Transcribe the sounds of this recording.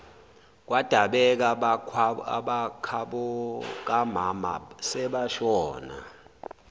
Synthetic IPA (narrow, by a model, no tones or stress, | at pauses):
k̬wad̥ʱaɓɛk̬a | ɓakʰaɓɔk̬amama̰sɛɓaʃɔːna̰